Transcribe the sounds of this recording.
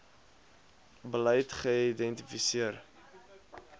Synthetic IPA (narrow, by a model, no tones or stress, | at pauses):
bəlɛjtχəidɛntifisiər